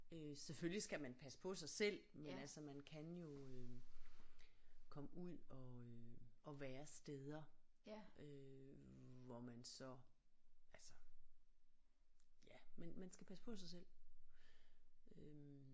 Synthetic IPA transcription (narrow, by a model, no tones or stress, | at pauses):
øseføljisɡ̥æmænpʰæspʰɒ̽sɑ̈ɪsel̰mennælsɐmænkʰænjo̝ø | kʰɒ̽məuð̰ˠɒ̽øɒ̽ʋæːɐsd̥eð̞ˠɐ | ʔø | ʋɒmænsɒ̽ | ʔælsə̥ | jæmenmænsɡ̥æpʰæsəpʰɒ̽sɑ̈ɪsel̰ | øm